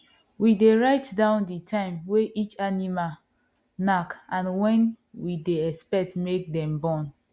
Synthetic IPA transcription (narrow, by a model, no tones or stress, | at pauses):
wideɹaɪtdãʊ̃nditʰãɪ̃mweʔit͡ʃanima | nakʔãnwɛ̃n | wideɛspɛk̚tmek̚dɛ̃mbɔ̃n